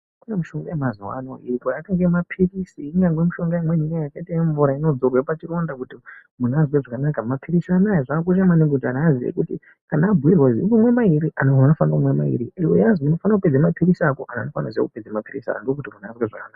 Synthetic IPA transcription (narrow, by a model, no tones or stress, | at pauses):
kunamuʃo̞ŋɡajemaziwa̰no̰ḭrikajataŋɡemapʰirisiːŋɡaŋɡwemiʃo̞ŋɡaimwe̞nijajakaitajeɱvuɾaino̞d͡zorwepat͡ʃiɾo̞ndakutimunazweʐakanakamapʰiɾisanajeʐaːk̬uʃ̬amaniŋɡetanaaziʋḛkutḭ | kanaːbʱuirwaziimumwe̞maiɾiʔanoanofanumwema̰ḭɾiiwejazuno̞fanakuped͡zamapirisakoʔananofanaza̰kuped͡zamapirḭsa̰andokutimunazweʐakanaːka